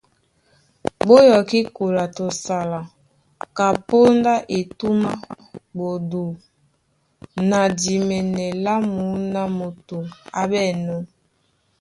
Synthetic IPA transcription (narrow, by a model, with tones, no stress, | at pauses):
bo˦jɔ˨ki˦ko˨la˨to˨sa˨la˨ | ka˨po˦nda˦ʔe˨tu˦ma˦ | bo˨du˨ | na˨di˨mɛ˨nɛ˨la˦mu˨˦na˨mo˨to˨ŋa˦bɛ˦˨nɔ˦